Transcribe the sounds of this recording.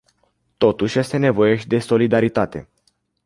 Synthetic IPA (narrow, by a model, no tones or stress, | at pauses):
t̪o̞t̪uʃʲje̞st̪e̞ne̞vo̞jeʃd̪e̞so̞lid̪aɾit̪at̪e̞̰